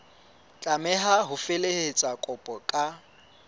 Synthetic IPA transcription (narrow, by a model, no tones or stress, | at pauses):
t͡ɬʼamɛɦaɦʊfelehet͡sʼakʼɔpʼɔkʼa